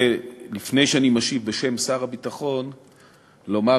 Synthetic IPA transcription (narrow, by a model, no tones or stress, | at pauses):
elifne̞jʃeanimaʃivbeʃe̞msaʁabit̪aχo̞n | lo̞ma